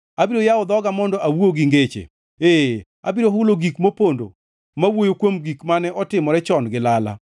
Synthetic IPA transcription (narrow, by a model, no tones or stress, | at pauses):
abiɾojaɔd̪ɔɡamɔndɔʔawuoɡiŋɡet͡ʃḛ | e | a̰biɾoɦʊloɡikmopondo̰ | mawojokwomɡikmanɛʔɔtɪmɔɾɛt͡ʃɔnɡɪlala̰